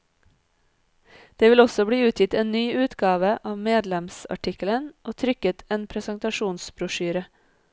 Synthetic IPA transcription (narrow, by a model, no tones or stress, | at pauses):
d̪̥eːʋɪlɔsɔbɽiːʉːt̪ʰjɪt̪eːnnyːʔʉːt̪ɡɑːʋəʔɑːʋmeːd̪lɛmsɑ̰ʈʰɪkələnʔoːt̪ʰɾʏkət̪ʰeːnpʰɾɛsənt̪ɑʃuːnsbɾʊʃyːɾə